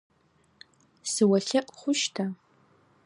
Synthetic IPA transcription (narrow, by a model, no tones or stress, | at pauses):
sɨwaɬɨqʼχʷʊʃtʰa